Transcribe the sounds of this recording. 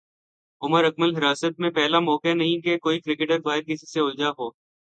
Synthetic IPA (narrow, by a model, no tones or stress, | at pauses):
ʊməɾɐk̚məlɦɪɾaːsət̪̚mẽpɛɦlamɔːkenɐɦĩkekoːikɾɪkeʈəɾfaːɪɾkɪsi̥seʊld͡ʒaɦoː